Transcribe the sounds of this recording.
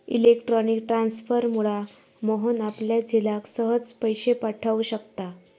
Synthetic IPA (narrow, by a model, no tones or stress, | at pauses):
ḭlekʈɾɔnikʈɾansfəɾmuɭa | moɦənapljad͡ʑʱilaksəɦəd͡zpəjɕepaʈʰaʋuɕəkt̪a